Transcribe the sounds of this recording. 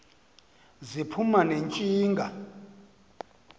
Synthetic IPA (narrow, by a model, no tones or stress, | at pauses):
zipʰumanent͡ʃʼiːŋɡʱa